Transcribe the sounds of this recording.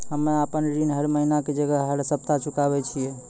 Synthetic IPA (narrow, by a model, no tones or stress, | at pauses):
ɦəmeapənɾinɦəɾməɦinaked͡ʒəɡəɦɦəɾsəpt̪at͡ʃʰukabɛt͡ʃʰijɛ